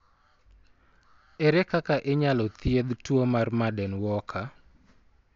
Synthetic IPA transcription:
ɛɾɛkakaʔeɲalɔt̪ɪed̪twomarmadɛnwɔkʰa

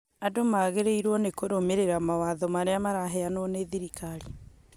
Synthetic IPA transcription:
adomaːɣeɾeiɾwɔnekoɾomeɾeɾamawaðɔmaɾeamaɾaɦɛanwɔneðiɾikaɾi

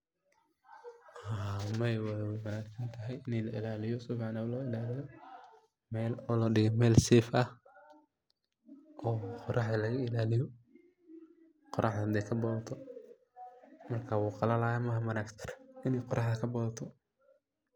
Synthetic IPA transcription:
hamɐwɐwɛjwɐnaːksɐnt̪ʰɐɦɛjɪnɛlɐʔɪlaːlɪjɔsɔfʕɑnɐwlɔɪlaːlɪjɔ | mɛːlɔːlɔːɖɪɣɛmɛːlsɛːfɐh | ʔɔːqɔɾɑħðɐlɐɣɐɪlaːlɪjɔ | qɔɾɑħd̪ɐnd̪ɛkʰɐbɔːðɐt̪ʰɔ | mɐrkʰaːwuːqɑlɐlaːjɐmɐɦɐmɐnaːksʰɪrɪnɛjqɔɾɑħðɐkʰɐbɔðɐt̪ʰɔ

